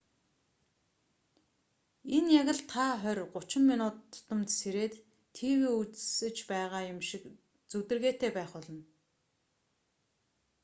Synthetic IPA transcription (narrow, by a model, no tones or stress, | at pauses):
enjaɣʲɪ̆ɮt̪ʰaχœrʲɢʊt͡ɕɪ̆mːinʊːt̪ʰːʊ̥t̪ɞ̆mt̪seɾeːt̪ʰː | iːweːut͡ssɘ̆t͡ɕpæːʁaːjʊmʃɪ̆k | t͡sɵt̪ɘ̆rɣeːt̪ʰeːpæːχʊɮɞ̆n